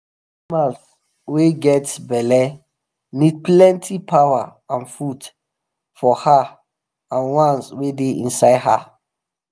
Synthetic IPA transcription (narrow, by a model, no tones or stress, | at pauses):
mãθ | weɡɛtbɛlɛ | nid̚plɛ̃ntʰipʰawaãnfut | fɔha | ãnwãnswedeʔḭ̃nsaɪdɦa